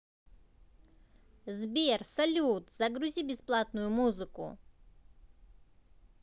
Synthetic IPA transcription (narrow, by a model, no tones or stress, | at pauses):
zbʲersɐlʲut̪zɐɡɾʊzʲibʲɪsplˠat̪nʊjʊmuzɨkʊ̰